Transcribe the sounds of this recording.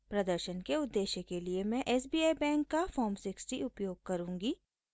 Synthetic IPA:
pɾɐd̪əɾʃənkeʊd̪ːeːʃəkeliemɛ̃ʔɛːs̬biːaːibɛ̃ːŋkːafɔːɾmsɪksʈiʔʊpjoːɡ̚kɐɾũːŋɡi

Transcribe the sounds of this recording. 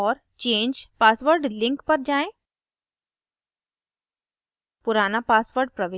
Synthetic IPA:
ɔːɾ | t͡ʃẽːɲd͡ʒpaːsʋəɾɖlɪ̃ŋkpɐɾd͡ʒaːẽː | pʊɾaːnapaːsʋəɾɖ̚pɾɐʋe

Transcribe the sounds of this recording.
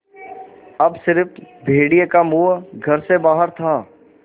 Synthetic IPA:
ɐbsɪɾfbʱeːɽijəkamuːɡʱɐɾsebaːɦəɾt̪ʰaː

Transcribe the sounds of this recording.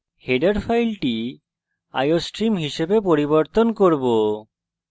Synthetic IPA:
heɖəɾfʰajlʈi | a̰josʈɾimɦiɕebepɔɾibɔɾt̪ɔnkɔɾbo

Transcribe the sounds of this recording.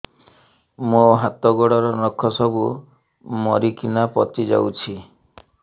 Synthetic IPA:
moɦat̪ɔɡɔɽɔɾɔnɔkʰːɔsɔbu | mɔɾikinapɔ̰tid͡ʒa̰wt͡ʃʰi

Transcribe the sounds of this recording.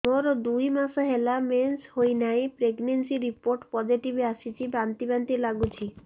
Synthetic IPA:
moɾɔd̪ujmasɔɦelamenshojnaj̃pɾeɡnensiɾipoɾʈpɔd͡ʒiʈibiasit͡ʃʰibant̪ibant̪ilaɡut͡ʃʰi

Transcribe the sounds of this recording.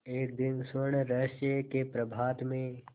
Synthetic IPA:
eːk̚d̪ɪnsʊɾɳ̃ɾəʃəkepɾɐbʱaːt̪mẽ

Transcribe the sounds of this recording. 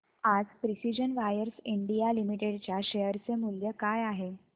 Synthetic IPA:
ad͡zpɾisid͡ʑənʋajəɾsiɳɖijalimiʈeɽt͡ɕjaɕejəɾt͡semuljəkajaɦe

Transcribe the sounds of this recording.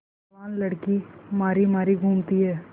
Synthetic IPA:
ʋaːnlɐɽkimaːɾimaːɾiɡʱuːmt̪iɦɛː

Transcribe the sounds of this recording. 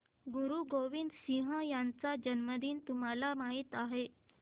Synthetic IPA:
ɡuɾuɡoʋind̪siɦəjant͡sad͡ʑənməd̪iːnt̪um̤alamaɦiːt̪aɦe

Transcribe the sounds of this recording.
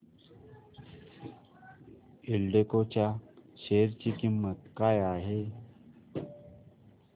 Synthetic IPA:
ɪlɖekot͡ɕaɕeːɾkikimːət̪kajaːɦe

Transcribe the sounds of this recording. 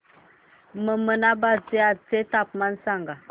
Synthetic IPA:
məmənabat͡seat͡setap̚mansaŋɡa

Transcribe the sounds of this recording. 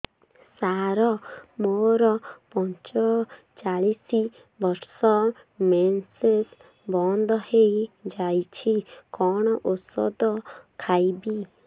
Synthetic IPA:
saɾɔmoɾɔpɔɲt͡ʃɔ | t͡ʃaɭisi | bɔɾsɔ | menses | bɔnd̪ɔhejd͡ʒajt͡ʃʰikɔɽ̃ɔʔusɔ̰d̪ɔkʰajbi

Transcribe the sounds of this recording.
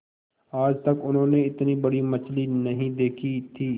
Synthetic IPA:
aːd͡ʒt̪ɐkʊnɦõːneɪt̪nibɐɽimɐt͡ʃʰlinɐɦĩd̪eːkʰit̪ʰiː

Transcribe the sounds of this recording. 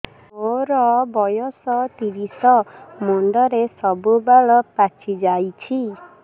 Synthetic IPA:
oɾɔbɔjɔsɔt̪iɾisɔmɔɳɖɔɾesɔbubaɭɔpat͡ʃʰid͡ʒajt͡ʃʰi

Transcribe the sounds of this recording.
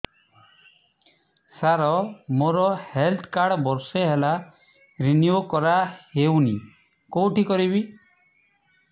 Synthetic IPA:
saɾɔmoɾɔhelt̪ʰkaɽbɔɾseɦela | ɾinjukɔɾahewni | kowʈikɔɾibi

